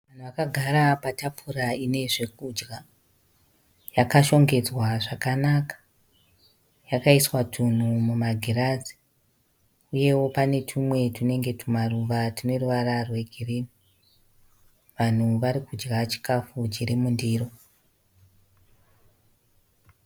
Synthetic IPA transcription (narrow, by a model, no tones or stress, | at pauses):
ʋan̤uʋakaɡʱaɾapatapʰuraine̞ʐe̞kud͡ʒɡa | jakaʃo̞ŋɡe̞d͡zwaʐakanakḁ | jakaiswatʰun̤umumaɡʱirazi̥ | uje̞wo̞pane̞tʰimwe̞tune̞ŋɡe̞tumaruʋatine̞ruʋararwe̞ɡʱireːni | ʋan̤uʋaɾikud͡ʒɡat͡ʃi̥kafud͡ʒiɾemundiːro̞